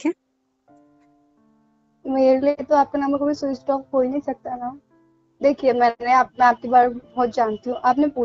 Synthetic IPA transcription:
keː | meːɾeliet̪oaːp̚kenɐ̃mbəɾkobʱisoːisʈɔːk̚koːinɐɦĩsɐk̚t̪ana | d̪eːkʰiemɛ̃ːneaːp̚mɛ̃aːp̚kebaːɾebɔːt̪̚d͡ʒaːnt̪iɦũʔaːpnepuː

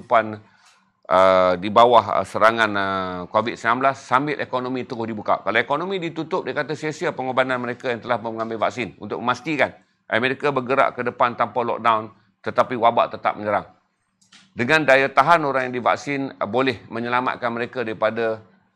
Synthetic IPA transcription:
pan | ʔədibawahə̰səɾaŋanəkovɪt̪̚səmlanblasːambɪlʔekonomĩt̪əɡʊhdibuka̰kalaekonomĩdit̪ut̪ʊp̚dakat̪asiasiapəŋobananməɾekajaŋt̪əlahməŋambɪlvak̚sɪnṵnt̪ʊ̰k̚məmast̪ikan | ʔameɾikabərɡəɾa̰ʔkədəpant̪ampalɔ̰k̚dawn | t̪ət̪apiwaba̰ʔt̪ət̪a̰p̚məɲəɾaŋ | dəŋãndajat̪aɦanoɾaŋjaŋdiva̰k̚sɪnbolɛhmə̃ɲəlama̰t̪̚kanməɾekadaɾipada

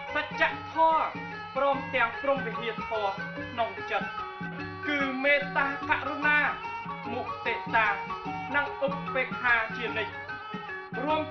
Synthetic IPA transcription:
sac̚t͡ɕaʔt̪ʰɔə | prɔːmt̪ɛ̆əŋprumʋiʔiət̪ʰɔə | kʰnoŋt͡ɕət̪̚ | kɨːmeːt̪aːkaʔrunaː | muʔ̚t̪eːʔsaːnɨŋʔuk̚peːk̚ʰːaːt͡ɕiənɨc̚ | ruəm

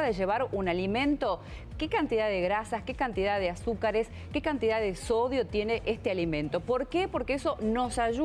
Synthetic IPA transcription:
aðeʒe̞β̞aɾunalimẽ̞nt̪o̞ | kekant̪iðaðeɣɾasaske̞kant̪ið̞aðeasukaɾes | kekant̪iðaðesoðjo̞t̪je̞neʔest̪ealimẽ̞nt̪o̞po̞ɾkepo̞ɾkeeso̞no̞saʒu

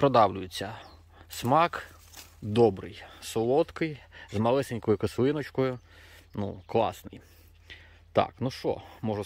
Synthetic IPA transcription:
pɾɔd̪ɑwlʲʊjɪt͡sʲːɐ | smɑk | d̪ɔbɾɪ̰jsɔlˠɔt̪kɪjzmɐlˠɪsenʲkɔjʊkɔslˠɪnɔt͡ʃkɔjʊ | nṵklˠɑ̰snɪj | t̪ɑ̰knuʃɔ̰mɔʒʊ

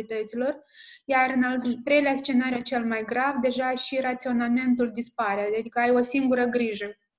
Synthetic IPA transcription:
it̪ət̪silo̞rjarɨnalt̪ɾe̞jleast͡ʃe̞naɾjut͡ʃe̞lmajɡɾavd̪e̞ʒaʃiɾat̪sio̞name̞nt̪̬uld̪ispaɾead̪ad̪ikəajo̞siŋɡuɾəɡɾiʒə

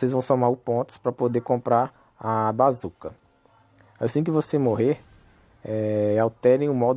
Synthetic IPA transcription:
osejzvɐ̃w̃sõmaɾʊpõt̪ʊ̥spɾɐpod̪ekõpɾaɾ | abazukɐ | asĩk̬ɪvosemoɦeɾ | ɛawt̪ɛɾẽj̃ʊmɔd̪

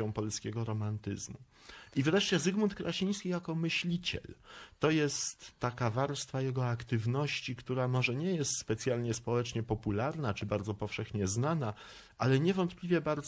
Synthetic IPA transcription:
ɔ̃w̃pɔlskʲɛɡɔɾɔmant̪ɘ̰zmu | ivɾɛʂt͡ɕɛzɘɡmunt̪̚kɾaɕij̃skʲijakɔmɘɕlʲit͡ɕɛ̰lt̪ɔjɛst̪ːakavaɾst̪fajɛɡɔakt̪ɘvnɔɕt͡ɕikt̪uɾamɔʐɛɲɛjɛst̪spɛt̪sʲjalɲɛspɔwɛt͡ʂɲɛpɔpulaɾnat͡ʂɘbaɾd̪zɔpɔfʂɛxɲɛznana | ʔalɛɲɛvɔnt̪plʲivʲjɛbaɾd̪z

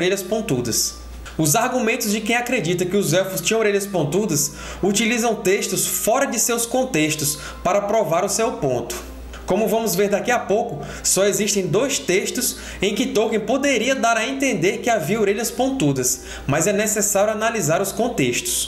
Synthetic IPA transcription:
ɾeʎɐspõnt̪ud̪ɐs | ʊzaɾɡumẽnt̪ʊzd͡ʒɪkẽj̃akɾed͡ʒit̪ɐkɪʊzɛwfust͡ʃĩɐoɾeʎɐspõt̪ud̪ɐs | ut͡ʃilizɐ̃w̃t̪eʃt̪ʊsfɔɾɐd͡ʒɪsewskõnt̪eʃt̪ʊs | paɾɐpɾovaɾʊsewpõ̰nt̪ʊ̥ | kõmʊvɐ̃mʊzveɾd̪akiapowkʊ | sɔeziʃt̪ẽj̃d̪ojst̪eʃt̪ʊs | ẽj̃kɪt̪owkẽpod̪eɾiɐd̪aɾɐẽnt̪ẽnd̪eɾkɪaviɐoɾeʎɐspõnt̪ud̪ɐs | mɐzɛnesɛsaɾjʊanalizaɾʊskõt̪eʃt̪ʊ̥s

